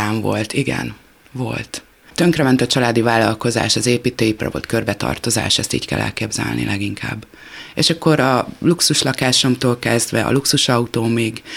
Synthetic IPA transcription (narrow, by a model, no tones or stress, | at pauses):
aːɱvo̞̰lt̪iɡɛ̰n | vo̞̰lt̪ | t̪ø̞ŋkrɛmɛnt̪ɒt͡ʃɒlaːd̪ivaːlːɒlko̞za̰ːʃɒzeːpiːt̪øːjiprɒ̰vo̰t̪kø̞rbɛt̪ɒ̰rt̪o̞za̰ːʃɛst̪ḭːckɛ̰lːʔɛ̰lkeːbzɛ̰lnʔḭlʔɛɡiŋkʰa̰ːbː | eːʃɒkːo̞ɾɒluksuʃlɒkaːʃo̞mt̪oːlkɛzd̪ʋɛʔɒ̰luksuʃɒut̪oːmiːɡ